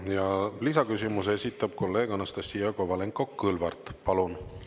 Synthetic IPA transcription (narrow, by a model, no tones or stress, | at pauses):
jɑlisɑkysimuse̞sʲit̪ːˑɑb̥̚ko̞lːe̞ːɡ̥ɑnɑst̪ɑsijɑkovɑle̞ŋkːˑo̞kːɯlvɑrt̪ˑpɑlun